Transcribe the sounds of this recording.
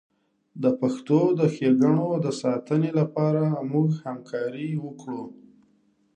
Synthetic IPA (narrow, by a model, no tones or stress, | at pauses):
d̪əpaxt̪od̪əxeɡaɳod̪əsɑt̪ənelapɑɾamuɡhamkʰɑɾiwəkɽu